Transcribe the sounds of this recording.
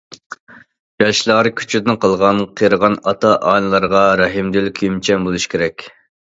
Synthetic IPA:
jɑʃlˠɑːɾɨkʲʰy̥t͡ʃʰyd̪ɪnqʰɑlˠʁɑnqʰəɾəʁɑnɑt̪ʰɑʔɑːnɨlˠɑɾʁɑɾɑɦimd̪ylkʲʰyjymt͡ʃʰɛmbolˠuʃi̥kʲʰeɾɛkʲ

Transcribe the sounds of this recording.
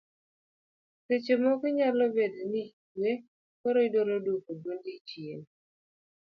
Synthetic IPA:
set͡ʃemɔkiɲalɔbedenikwe | koɾoidoɾodukodwondit͡ʃjen

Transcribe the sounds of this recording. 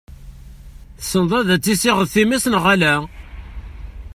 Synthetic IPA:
θəsːənðˤæðæt͡sːisiʁəðθimisənʁælæ

